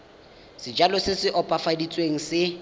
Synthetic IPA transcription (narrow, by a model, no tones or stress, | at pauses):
sɪd͡ʒalɔsɪsɪʔɔpʼafadit͡sʼweŋ̩sɪ